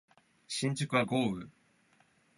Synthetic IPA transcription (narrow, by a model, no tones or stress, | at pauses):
ɕĩɲ̟t͡ɕɨkɯ̟βaɡo̞ːɯ̟